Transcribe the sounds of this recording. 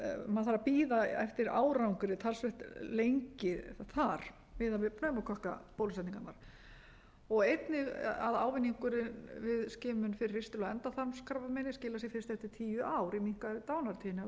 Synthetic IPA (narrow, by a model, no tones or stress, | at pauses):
maðθaɾapiːðaɛ̰ft̪ɪɾa̰ːwɾawŋkʏɾɪt̪ʰalsvɛht̪lejɲcɪθaɾ̥ | vɪðavɪpnœːmakʰɔhka̰poːwlsɛt̪niŋkat̪naɾ̥ | ɔɣejt̪nɪɣaðaːwvɪnːiŋkʏɾɪnvɪðscɪːmʏnfɪɾɪrːɪ̥st̪ɪlɔɣɛnt̪aθamskaɾvamɛnɪscɪːlasjɛfɪɾɪst̪ɛft̪ɪɾ̥t̪ʰiːjʏʔaːwɾimiŋ̥kvaɪt̪aːwnaɾt̪ʰiːnɪ